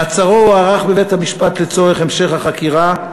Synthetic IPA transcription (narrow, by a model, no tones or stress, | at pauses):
at͡saʁouaʁaχbevethamiʃpatlet͡so̞eχemʃe̞χhaχakiʁa